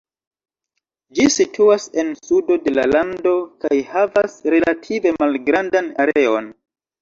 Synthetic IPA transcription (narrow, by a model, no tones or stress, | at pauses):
d͡ʒisitʰuase̞nsudo̞de̞la̰lando̞kajhavasɾe̞latʰive̞malɡɾandanaɾe̞o̞n